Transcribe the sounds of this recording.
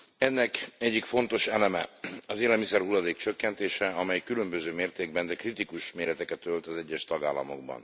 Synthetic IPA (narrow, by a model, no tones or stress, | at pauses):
ɛnːɛkɛɟːikfo̞n̪t̪o̞ʃɛlɛmɛ̰ɒzeːlɛlmisɛrhulːɒd̪eːkt͡ʃøkːɛnt̪eːʃɛɒmɛjkylø̞mbøzøːmeːrt̪eːɡ̚bɛnd̪ɛkrit̪ikuʃmeːɾɛt̪ɛkɛt̪ølt̪ɒzɛɟːɛʃt̪ɒɡaːlːɒmo̞̰ɡ̚bɒ̰n